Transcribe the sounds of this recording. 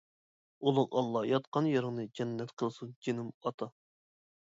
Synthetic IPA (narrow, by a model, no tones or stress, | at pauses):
ulˠɨŋɑlˠːɑjɑt̪qɑnjɑɾɨŋnɨd͡ʒɛnːɛt̪qʰəlˠsund͡ʒenɪmɑt̪ʰɑ